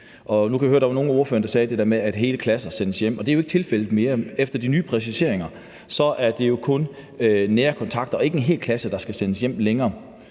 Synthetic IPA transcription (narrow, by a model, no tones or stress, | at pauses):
ʔɒ̽nukʰæʋjøɐdɑ̈ʋɑ̈no̝ːn̩o̝ɐfø̰ɐnə̥dɑsɛːd̥ed̥eɐ̰meæd̥ɦe̝ːləkʰlæsɐsenəsjem̰ɒ̽d̥e̝æjoeɡ̥ə̥t͡sʰe̝lfel̰ð̩ˠme̝ːɐefd̥ɐd̥inyːpʰʁɛsiɕe̝ɐe̝ŋɐ | sɒ̽ʔæɐd̥e̝jo̝kʰɔ̽n | neːɐkʰɒ̽nt͡sʰɑ̈ɡ̥d̥ɐɒ̽e̝ɡ̥əe̝nɦe̝̰ːlkʰlæsəd̥ɑ̈sɡ̥æsenəsjem̰leŋɐː